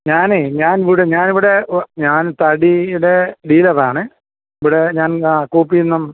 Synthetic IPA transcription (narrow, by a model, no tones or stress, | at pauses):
ɲaːneɲaːniʋiɽeɲaːniʋiɽe̞ɲaːnt̪ɐɽiiɽe̞ɖiːlɐʋaːɳɨ | iʋiɽe̞ɲaːnkuːpːiunːɐm